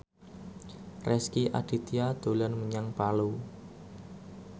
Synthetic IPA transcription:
rɛskiʔa̰ɖ̥i̤t̪iad̪̥o̤lanməɲaŋpalu

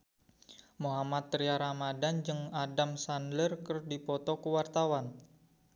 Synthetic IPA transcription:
muɦamat̪ːɾiaɾamadand͡ʒɨŋadamsandlərkərdipɔt̪ɔkəwart̪awan

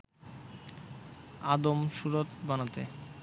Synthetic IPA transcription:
ad̪omʃuɾot̪banat̪e

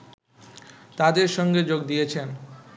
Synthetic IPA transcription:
t̪ad̪eɾʃɔŋɡed͡ʑoɡ̚d̪ijet͡ɕʰen

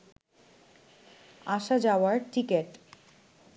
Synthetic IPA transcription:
aʃad͡ʑaoaɾʈikeʈ

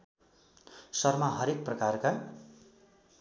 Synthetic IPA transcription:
sʌrmaɦʌɾek̚prʌkarka

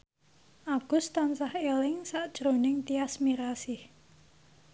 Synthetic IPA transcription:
ʔaɡ̥ʊst̪ansahelɪŋsaʔd̥ʒ̥ɾonɪŋt̪iasmiɾasɪh

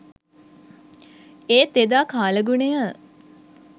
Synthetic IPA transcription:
eːt̪ːed̪aːkaːləɡunejə

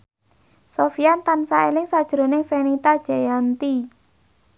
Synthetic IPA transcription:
sofijant̪ansaelɪŋsad̥ʒ̥ɾo̤nɪŋfenit̪ad̥ʒ̥ajant̪i

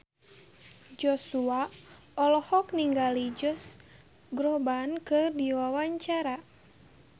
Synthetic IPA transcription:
d͡ʒɔsuaɔlɔhɔkniŋɡalid͡ʒɔs | ɡɾɔbankɨrdiwawaɲt͡ʃaɾa

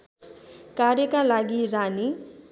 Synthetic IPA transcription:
karjʌkalaɡirani

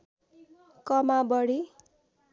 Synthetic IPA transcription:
kʌmabʌɽi

